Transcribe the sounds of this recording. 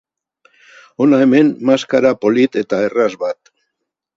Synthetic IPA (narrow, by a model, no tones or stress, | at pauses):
o̞nae̞me̞nmaskaɾapo̞lit̪e̞t̪aerazβat̪